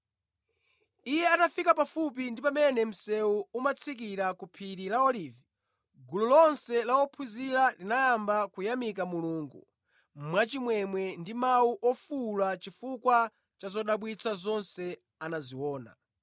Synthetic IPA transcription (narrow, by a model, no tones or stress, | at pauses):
ijɛatafikapafup̬indipamɛnɛm̩sɛuumat͡sʰik̬iɾakupʰiɾilaɔlivi | ɡululɔnsɛlawɔpʰuzilalinajambakujamik̬amuluːŋɡṵ | m̩mwat͡ʃimwɛmwɛndimawuʔɔfulat͡ʃifukwa | t͡ʃazɔɗaɓwit͡sʰazɔnsɛ | anaziwɔːna̰